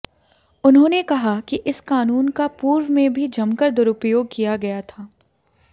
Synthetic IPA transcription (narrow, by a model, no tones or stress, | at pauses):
ʊnɦõːnekɐɦakiʔɪskaːnuːnkapuːɾwmẽbʱid͡ʒɐmkəɾd̪ʊɾʊpjoːɡ̚kijaɡɐjat̪ʰaː